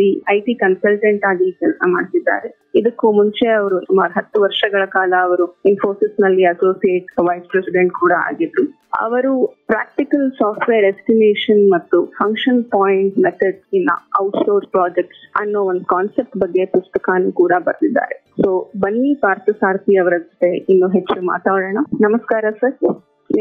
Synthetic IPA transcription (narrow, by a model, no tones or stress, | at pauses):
iɐjʈikɐnsɐlʈɐɳʈaːɡikɛlsama̰ːɖt̪id̪ːa̰ːɾe | id̪ɐkːumuɲt͡ʃe̞ɐʋɐɾusumaːɾuɦɐt̪ːuʋɐɾʂɐɡɐɭɐkaːlɐːʋɐɾuenfʰo̞ːɾsisnɐlːiɐsoːsijeːʈʋɐjspɾesiɖeɳʈkuːɽɐa̰ːɡid̪ɾu | ɐ̰ʋɐɾupɾa̰ːk̚ʈikɐlsaːpʈʋeːɾesʈimeːʂɐnmɐt̪ːupʰɐŋkʂɐnpaːjiɳʈmet̪ʰɐɖsinːɐ̰ɐwʈsoːɾspɾaːd͡ʒek̚ʈsɐ̰nːoːond̪ukaːnsep̚ʈbɐɡːe̞pust̪ɐkaːnukuːɽɐbɐɾd̪id̪ːa̰ːɾe | soːbɐnːipaːɾt̪ɐsaːɾt̪iɐʋɐɾɐd͡ʒɐt̪ːeinːuɦet͡ʃːuma̰ːt̪aːɽɐːɳɐnɐmɐskaːɾɐsɐɾ